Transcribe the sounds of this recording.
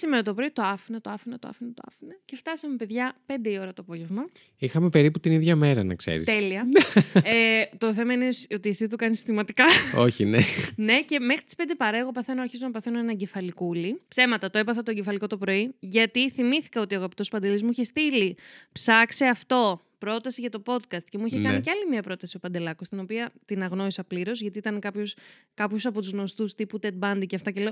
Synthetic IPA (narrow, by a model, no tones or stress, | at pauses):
simeɾɐt̪o̞pɾo̞it̪o̞ɐfinɐt̪o̞ɐfinɐt̪oɐ̰finɐt̪oɐ̰finɐce̞ft̪ɐsɐme̞pe̞ðʝɐpe̞nd̪e̞io̞ɾɐt̪oɐpo̞ʝe̞vmɐ | ixɐme̞pe̞ɾiput̪iniðʝɐme̞ɾɐnɐ̰kse̞̰ɾḭst̪eliɐ | t̪o̞θe̞mɐinesot̪iːsit̪ukɐnisi̥t̪imɐt̪ikɐo̞çinene̞ce̞me̞xɾit̪i̥spend̪epɐɾɐeɣo̞pɐθe̞noɐɾçizo̞nɐpɐθe̞noenɐɟe̞fɐlikulipse̞mɐt̪ɐt̪oe̞pɐθɐt̪oeɲɟefɐliko̞t̪opɾo̞iʝɐt̪iθimiθi̥kɐot̪iɐɣɐpi̥t̪o̞spɐnd̪e̞lizmuiçest̪ilipsɐkseɐft̪o̞ | pɾo̞t̪ɐsiʝɐt̪o̞po̞t̪kɐst̪cemuiçekɐniceɐlimiɐpɾo̞t̪ɐsiopɐnd̪e̞lɐkost̪ino̞piɐt̪inɐɣno̞ɾisɐpliɾo̞zʝɐt̪iit̪ɐnkɐpços | kɐpçosɐpo̞t̪uzno̞st̪ust̪iput̪e̞d̪̚bɐnd̪iceɐft̪ɐceleo